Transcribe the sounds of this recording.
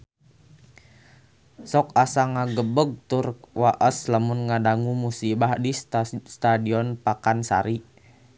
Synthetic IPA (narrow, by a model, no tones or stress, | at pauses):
sɔkasaŋaɡəbəɡ̚t̪urkwaʔəsləmunŋadaŋumusibahdist̪adiɔnpakansa̰ɾi